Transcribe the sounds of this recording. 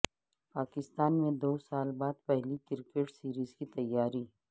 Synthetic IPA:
paːkɪst̪aːnmẽd̪oːsaːlbaːd̪pɛɦlikɪɾkeʈsiːɾiːzkit̪ɐjːaːɾiː

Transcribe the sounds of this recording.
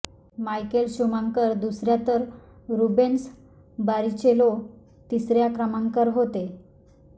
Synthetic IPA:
majkelɕumãŋkəɾd̪usɾjat̪əɾ | ɾubens | baɾit͡ɕelo | t̪isɾjakɾəmaŋkəɾɦot̪e

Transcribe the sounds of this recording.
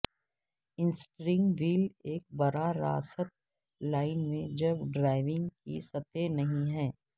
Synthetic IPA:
ɪ̃nsʈɾɪ̃ŋɡʋiːleːk̚bɐɾaɾa̰ːsət̪̚ | laːɪnmẽd͡ʒɐbɖɾaːɪʋɪ̃ŋɡkḭsɐt̪enɐɦĩɦɛː

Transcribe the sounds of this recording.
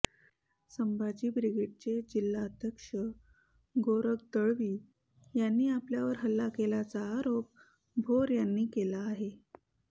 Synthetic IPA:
səmbad͡ʑiːbɾiɡeʈ̚t͡ɕed͡ʑilːaəd̪ʱjəkʂə | ɡoɾək̚d̪əɭʋiː | janːiːapljaʋəɾɦəlːakelat͡saːɾop̚ | bʱoɾjanːiːkelaːɦe

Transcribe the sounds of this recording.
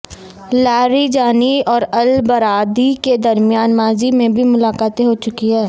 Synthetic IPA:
laːɾid͡ʒaːniɔːɾɐlbɐɾaːd̪iked̪ɐɾmɪjaːnmaːzimẽbʱimʊlaːkaːt̪eɦot͡ʃʊkiɦɛː

